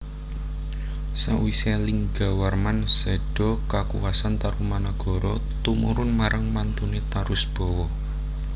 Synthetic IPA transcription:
sa̰wiseliŋɡa̤warmansɛɖ̥ɔ̤kakṵwasant̪aɾumanaɡ̥ɔ̤ɾɔ | t̪umṵɾʊnmaɾʔaŋmant̪unet̪aɾʊsb̥ɔ̤wɔ

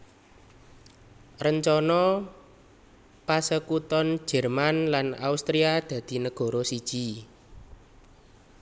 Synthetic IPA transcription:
rəɲt͡ʃɔnɔ | pasəkut̪ɔn̥d͡ʒ̥ɛ̤rmanlana̰ust̪ɾiad̪̥ä̤d̪̥i̤nəɡ̥ɔ̤ɾɔsid̥ʒ̥i

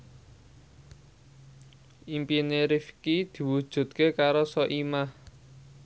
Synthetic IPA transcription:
ʔimpineɾifkid̪̥i̤wud̥ʒ̥ṳt̪̚kekaɾosɔʔimah

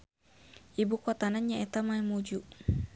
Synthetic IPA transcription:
ʔibukɔt̪ananɲaɛt̪amaimud͡ʒu

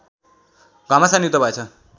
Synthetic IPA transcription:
ɡʌmasaniut̪ʌbʌet͡sʰʌ

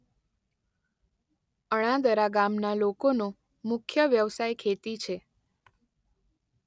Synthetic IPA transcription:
əɽ̃ãd̪əɾaɡamnalokono | mʊkʰjəʋjəʋsajkʰet̪it͡ʃʰe

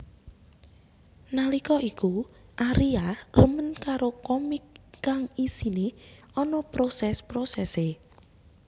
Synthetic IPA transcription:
nalikɔʔikuʔaɾiarəmənkaɾokɔmikːaŋisineɔnɔpɾosɛspɾosɛse

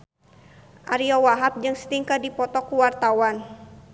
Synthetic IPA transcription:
ʔaɾiɔwaɦap̚d͡ʒɨŋsə̥t̪iŋkadipɔt̪ɔkuwart̪awan

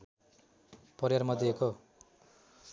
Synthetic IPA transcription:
pʌɾjarmʌd̪ieko

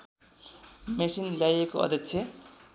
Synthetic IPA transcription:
mesinljajekoʌ̰d̪ʱjʌksʰje

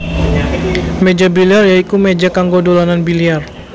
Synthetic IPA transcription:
med͡ʒabiliarjaikumed͡ʒakaŋɡodolananbiliar

